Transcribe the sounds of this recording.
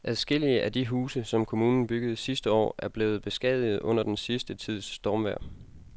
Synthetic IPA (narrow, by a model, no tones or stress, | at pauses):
ʔæðˠsɡ̥e̝l̰iəʔæd̥iɦuːsəsɒ̽mkʰo̝muːnn̩b̥yɡ̥əð̞̩ˠsisd̥əɒ̰ːæɐb̥le̝ːð̞̩ˠb̥e̝sɡ̥ɛð̰ˠið̩ˠɔ̽n̰ɐd̥ensisd̥ət͡sʰið̞̰ˠsːd̥ɒmʋæɐ̰